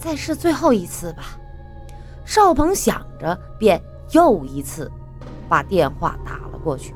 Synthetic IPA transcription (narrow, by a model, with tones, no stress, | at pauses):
t͡sa˥˧ɪʂɻ̩˥˧t͡swe˥˧ɪxo˥˩ʊi˧˥t͡sʰɹ̩˥˩bɐ˩ | ʂɑ˥˩ʊpʰɤ˧˥ŋɕjɑ̰˨˩ŋʈ͡ʂə˦ | pjɛ˥˧n | jo˥˩ʊi˧˥t͡sʰɹ̩˥˩ | pa˨˩t̪jɛ˥˧nxwa̰˥˩t̪a̰˨˩lə̰˦kwɔ˥˧t͡ɕʰy˥˩